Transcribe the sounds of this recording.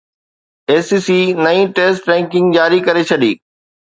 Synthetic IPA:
eːsiːsiːnɐĩːʈeːsʈɾɛ̃ːŋkɪ̃ŋɡd͡ʑaːɾikɐɾet͡ɕʰɐɗḭː

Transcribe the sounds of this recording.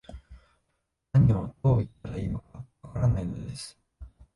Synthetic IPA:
naɲ̟ːiad̪o̞ːit̪̚ːaɾaimak̚aβakaɾanaino̞d̪ed̪esɨ̥

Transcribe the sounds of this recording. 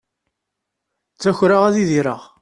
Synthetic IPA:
t͡sːæçɾaʁæðiðiɾəʁ

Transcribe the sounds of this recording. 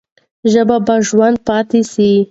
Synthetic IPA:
ʒəbabaʒwand̪̚pɑt̪esi

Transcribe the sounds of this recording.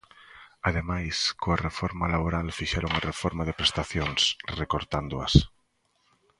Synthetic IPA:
aðemajskoarefɔɾmalaβoɾalfiʃɛɾoŋarefɔɾmaðepɾest̪aθjoŋsrekoɾt̪and̪oɐ̰s

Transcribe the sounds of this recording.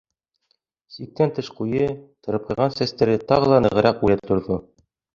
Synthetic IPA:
sik̚t̪ænt̪ɤʃqujɤt̪ɤ̆ɾɤ̆p̚qɤ̆jʁɑnsæst̪æɾɘt̪ɑʁɤ̆lˠɑnɤ̆ʁɤ̆ɾɑqulæt̪ŏɾðo

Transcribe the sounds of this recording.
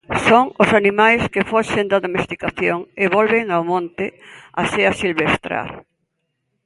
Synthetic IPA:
soŋosanimajskefoʃend̪ɐðomest̪ikaθjoŋeβolβeŋawmõnt̪ɪaseɐsilβest̪ɾa̰ɾ

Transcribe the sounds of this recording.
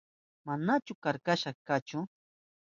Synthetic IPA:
manat͡ʃʊkaɾkaʃaχkat͡ʃʊ

